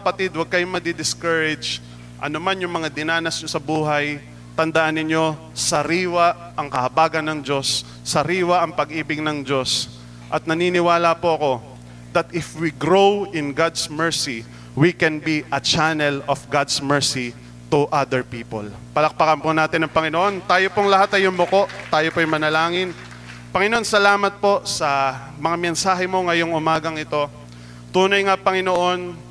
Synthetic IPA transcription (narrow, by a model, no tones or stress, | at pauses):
ɐpɐt̪id̪̚wɐɡ̚kɐjomɐd̪ɪd̪ɪskɐɹɪd͡ʒ | ʔɐ̰nomanjʊŋmɐŋad̪ɪnaːnɐsɲosɐbuːɦɐj | t̪ɐnd̪ɐʔanːɪɲo̞ | sɐɾiːwɐ | ʔɐŋkɐhɐbaːɡɐnːɐŋd͡ʒo̞sː | ɐɾiːwɐʔɐŋpɐɡʔiːbɪɡ̚nɐŋd͡ʒo̞s | ʔɐt̪̚nɐniːnɪwaːlɐpoɐko̞ | d̪ɐt̪ɪfwiɡɾowɪnɡad̪smɛɹsi | wikɛnbiʔɐt͡ʃanɛlɔfɡad̪smɛɹsi | t̪uʔad̪ɛɹpiːpo̰l | pɐlɐk̚pɐkɐnponaːt̪ɪnɐŋpɐŋɪnoʔo̞nt̪aːjopoŋlɐɦat̪ɐjonmʊko̞ʔt̪aːjopojŋmɐnɐlaːŋɪn | pɐŋɪnoʔonsɐlaːmɐt̪̚po̞sɐ | mɐŋamɛnsaːɦɛmo̞ŋɐjo̞ŋʊmaːɡɐŋɪt̪o̞ | t̪uːnɐjŋapɐŋɪnoʔo̞n